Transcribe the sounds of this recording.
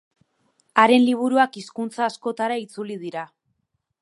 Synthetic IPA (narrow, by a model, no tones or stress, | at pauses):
aɾe̞nliβ̞uɾuakiskunt͡saːsko̞t̪aɾait͡sulið̞iɾa